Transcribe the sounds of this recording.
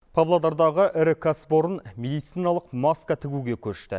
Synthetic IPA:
pʰavlˠad̪ɑɾd̪ɑʁəʔɪɾɪkʰasbo̞ɾənmʲe̞d̪ijt̪sijnɑlˠəqmɑskat̪ʰɪɡʲuɡʲe̞kʲʰɵɾʃt̪ɪ̰

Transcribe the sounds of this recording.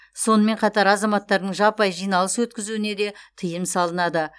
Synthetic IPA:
so̞nəme̞ɴqʰɑt̪ɑɾɑzɑmɑt̪ːɑɾd̪əɴʒɑpɑjʒijnɑlˠəsəwɵt̪kʲɪzuɪne̞d̪e̞t̪ʰəjəmsɑlˠənɑd̪ə

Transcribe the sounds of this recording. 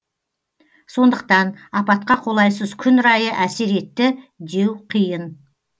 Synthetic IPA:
so̞nd̪əq̚t̪ɑnɑpɑt̪̚qɑqʰo̞lˠɑjsəzkʲʰʏnɾɑjəʔæse̞ɾe̞t̪ːɪd̪e̞wqʰijən

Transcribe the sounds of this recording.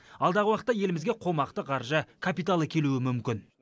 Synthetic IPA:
ɑlˠd̪ɑʁəwɑqət̪ːɑje̞lɪmɪzɡʲe̞qʰo̞mɑqt̪əqʰɑɾʒəkʰapijt̪alˠəkʲʰe̞luɪmʏmkʲɪn

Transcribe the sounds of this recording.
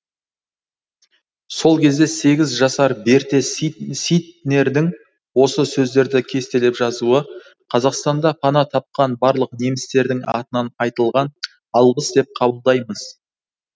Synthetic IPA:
so̞lˠkʲʰe̞zd̪e̞se̞ɡʲɪzʒɑsɑɾbe̞ɾt̪e̞sit̪ne̞ɾd̪ɪŋ | wo̞səsɵzd̪e̞ɾd̪ɪkʲʰe̞st̪e̞lepʒɑzuə | qʰɑzɑqst̪ɑnd̪ɑpʰɑnɑt̪ʰɑp̚qɑnbɑɾlˠəqne̞mɪst̪e̞ɾd̪ɪŋɑ̰t̪ənɑnɑjt̪əlˠʁɑn | ɑlˠʁəsd̪e̞p̚qʰɑbəlˠd̪ɑjməz̥

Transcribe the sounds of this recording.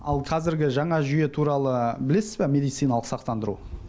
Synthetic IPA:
ɑ̰lˠqʰɑzɪɾɡʲɪʒɑɴɑʒʏje̞t̪ʰuɾɑlˠəbɪle̞sɪzbemʲe̞d̪ijt̪sijnɑlˠəqsɑqt̪ɑnd̪əɾṵ

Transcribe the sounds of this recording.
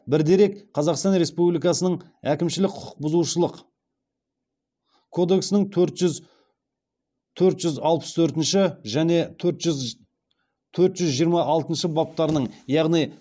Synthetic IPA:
bɪɾd̪e̞ɾe̞kqʰɑzɑqst̪ɑnɾe̞spublijkɑsənəɴ | ækʲɪmʃɪlɪk̚qʰʊ̥ʊ̥q̚bʊzuʃəlˠəq | kʰo̞d̪e̞ksɪnɪŋt̪ʰɵɾt̪ʒʏz | t̪ʰɵɾt̪ʒʏzɑlˠpə̥st̪ʰɵɾt̪ɪnʃɪʒæne̞t̪ʰɵɾt̪ʒʏz | t̪ʰɵɾt̪ʒʏzʒijəɾmɑʔɑlˠt̪ənʃəbɑp̚t̪ɑɾənəɴjɑʁnij

